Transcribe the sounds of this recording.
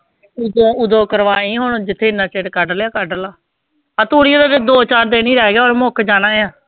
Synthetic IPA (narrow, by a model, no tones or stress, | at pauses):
ʊd̪õːʊd̪õːkəɾʋaːĩːɦoːnːd͡ʒɪt̪ʰːeːɪnːaːt͡ʃeːɽkaɖəljaːkaɖəlaː | aːt̪uːɽiːaːd̪ad̪oːt͡ʃaːɾd̪eːnĩːɾɛːɛːɡaːoːɾmʊkʰd͡ʒaːnaːeːãː